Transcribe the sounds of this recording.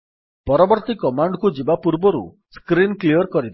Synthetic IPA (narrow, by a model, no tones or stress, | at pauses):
pɔɾɔbɔɾt̪ikɔmaɳɖkud͡ʒibapuɾbɔɾṵ | skɾinkliɔɾkɔɾid̪